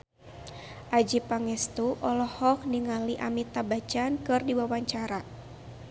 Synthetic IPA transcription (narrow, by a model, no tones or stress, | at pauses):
ʔad͡ʒipaŋɛst̪uʔɔlɔhɔk̚niŋaliʔamit̪abat͡ʃankɨrdiwawaɲt͡ʃaɾa